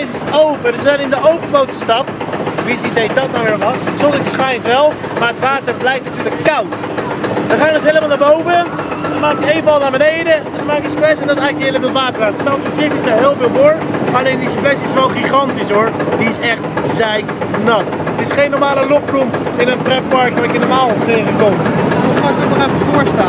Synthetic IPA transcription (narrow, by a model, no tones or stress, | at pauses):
ɪsɪsowpədəzanɪndəowpəbowtəstɑp̚tʋisidejdɑt̚naɪːɹʋɑssɔɪtɪsχɛjntʋɛlˠmaːɹətʋaːtəɹblɛjftnatyːɹləkːɑwt | ʋəχaːjdɔtɦejləmalˠnaːɹbowvəndɔnmaːkjəejvəɑlˠnaːɹbənejdə | dnmaːkjəsprɛsɛndɑtɪs̬ɛjɣləkdəejləvɪtʋaːtəratə̥stɑptysɪkɪsdaɦɪːlˠvɪːlˠdoːɹɑlejndisprɛsɪsʋɛlˠχiχɑntisɦʊɹdiɪsɛχtzɛj | nɑt | ətɪsχejnːɔɹmaːləlɔprumɪnənprɛpɑɹkakjənɔɹmaːlˠtejχəkɔmtɔtχaːzəɔnɔχɛfəfʊɹstaː